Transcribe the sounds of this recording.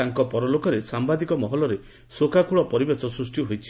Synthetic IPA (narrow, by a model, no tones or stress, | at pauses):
aŋkɔpɔɾɔlokɔɾesambad̪ikɔmɔɦɔlɔɾe | sokakuɭɔpɔɾibesɔsɾusʈiɦojt͡ʃʰi̥